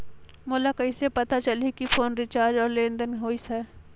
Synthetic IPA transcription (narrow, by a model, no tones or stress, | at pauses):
moːlakɐisepɐt̪at͡ʃɐlikifʰoːnɾɪt͡ʃaːɾd͡ʒɔːɾlẽːnd̪ənɦoːisɛː